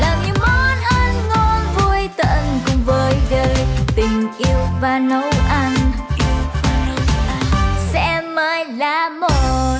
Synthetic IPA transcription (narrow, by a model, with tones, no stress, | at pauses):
laː˨˩ɲɨ˧˦mɔ˨˦nʔəː˧nŋɔ˧nvu˧əjt̪ə̰ː˧˨nkʊ˨˩ŋ͡mvəː˨˦jɗəː˧jt̪ï˨˩ŋ̟ʔi˧əwvaː˨˩nə˨˦wʔa˧n | sɛ̰˧˥maː˨˧˦jlaː˧˩mo˨˩